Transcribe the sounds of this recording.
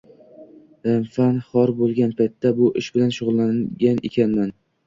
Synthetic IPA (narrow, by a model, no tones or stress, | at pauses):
mfanχɒɾbolˠɡʲanpʰajt̪ʰːabʊʔɪʃbɪlanʃʊʁʊlˠːanɡʲanḛkʲʰanːan